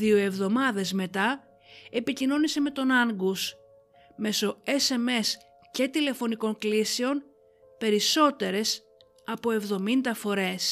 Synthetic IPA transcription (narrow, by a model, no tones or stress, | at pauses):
io̞e̞vðo̞mɐðe̞zme̞t̪ɐ | e̞picino̞nise̞me̞t̪o̞nɐŋɡus | me̞so̞e̞se̞me̞s | ce̞t̪ile̞fo̞niko̞ŋkliseo̞n | pe̞ɾiso̞t̪e̞ɾe̞s | ɐpo̞e̞vðo̞mind̪ɐfo̞ɾe̞s